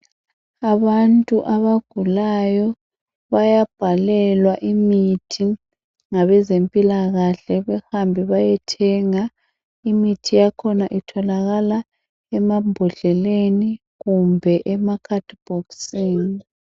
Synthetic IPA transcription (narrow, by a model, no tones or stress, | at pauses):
aβantʼuʔaβaɡ̥ʱulajɔ | βajab̥ʱalɛlwaʔimitʰi | ŋaβɛzempʼilaɣaɬɛβɛhambʱiβajɛtʰɛŋa | imitʰijakʰɔnaʔitʰɔlaɣala | ɛmambʱɔɮɛleni | ɣumbʱɛʔɛmakʰatʰʼb̥ʱoksiːni